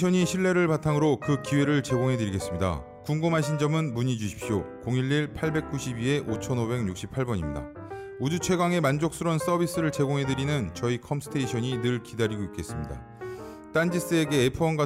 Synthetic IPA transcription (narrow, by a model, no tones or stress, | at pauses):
ʌɲiɕʰiɭːe̞ɾɯɭpatʰaŋɯɾokɯkiwe̞ɾɯɭt͡ɕe̞ɡoŋɦe̞dɯɾiɡe̞s͈ɯmɲida̰ | kuŋɡɯmɦaɕʰind͡ʑʌmɯnmuɲid͡ʑuɕʰi̥p̚ɕ͈ʰjokoŋiɭːiɭpʰaɭbe̞k̚k͈uɕʰibie̞ʔot͡ɕʰʌnobe̞ŋɲuk̚ɕ͈i̥pʰaɭbʌɲḭmɲida̰ | ud͡ʑut͡ɕʰwe̞ɡwaŋe̞mand͡ʑok̚s͈ɯɾwʌns͈ʌbis͈ɯɾɯɭt͡ɕe̞ɡoŋɦe̞dɯɾinɯnt͡ɕʌikʰʌmsʰɯ̥tʰe̞iɕʰʌɲinɯɭkidaɾiɡoik͈e̞s͈ɯmɲida̰ | t͈and͡ʑis͈ɯe̞ɡe̞ːpʰuʌnɡwa